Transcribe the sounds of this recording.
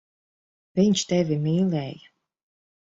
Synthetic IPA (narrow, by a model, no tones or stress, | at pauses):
vʲiɲt͡ʃt̪ɛvʲimʲiːlʲɛːjɨ